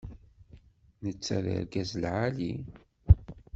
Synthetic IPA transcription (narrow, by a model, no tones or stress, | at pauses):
nət͡sːæɾə̰ɾɡæzlʕali